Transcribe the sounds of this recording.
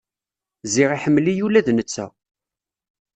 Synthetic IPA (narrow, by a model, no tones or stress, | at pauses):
ziʁiħəmːlijulæðnət͡sːæ̰